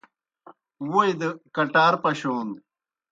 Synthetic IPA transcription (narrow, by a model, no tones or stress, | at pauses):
wujd̪əkɐʈaːɾpɐɕoːn